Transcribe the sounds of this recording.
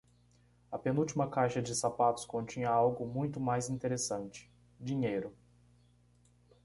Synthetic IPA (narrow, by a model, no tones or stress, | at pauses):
ɐpenuwt͡ʃimɐkajʃɐd͡ʒɪsapat̪ʊ̥skõnt͡ʃĩɲɐawɡʊmũj̃t̪ʊmajzĩt̪eɾesɐ̃nt͡ʃɪ̥ | d͡ʒĩɲejɾʊ